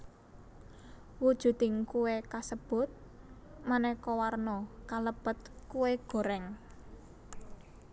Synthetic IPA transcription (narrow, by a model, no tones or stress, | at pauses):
wud̥ʒ̥ṳt̪ɪŋkuwekasəb̥ʊ̤t̪̚ | manɛkɔwarnɔkaləb̥ət̪̚kuweɡ̥o̤ɾɛŋ